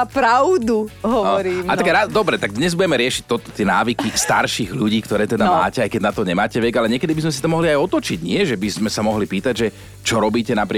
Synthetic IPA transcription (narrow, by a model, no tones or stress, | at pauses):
pɾaʊd̪uɦɔɔɾiːmat̪akɾad̪ɔbɾɛt̪aɡd̪ɲɛzbuɟɛmɛɾɪɛʃic̚t̪ɔt̪ɔ̥t̪ɪɛna̰ːʋikist̪a̰ɾʃiːɣʎuɟiːkt̪ɔɾɛːt̪ɛd̪ama̰ːcɛajkɛɟnat̪ɔɲɛmaːcɛʋɛɡalɛɲɪɛkɛd̪ibizmɛs̬it̪ɔmɔɦliajɔt̪ɔt͡ʃiɟɲɪɛʒɛbizmɛsamɔɦlipiːt̪aɟʒɛ | t͡ʃɔɾɔbiːcɛnapɾɪ